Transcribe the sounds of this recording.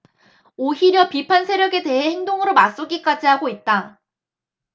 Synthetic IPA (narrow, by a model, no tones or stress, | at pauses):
oçiɾjʌpipʰansʰe̞ɾjʌɡe̞de̞ɦe̞heŋdoŋɯɾomas͈uɡik͈ad͡ʑiɦaɡoit̚t͈a